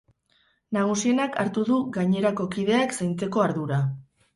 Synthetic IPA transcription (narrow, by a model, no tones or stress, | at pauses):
naɣ̞usie̞nakaɾt̪uðuɣaɲe̞ɾako̞kið̞e̞aksajnt͡se̞ko̞aɾðuɾa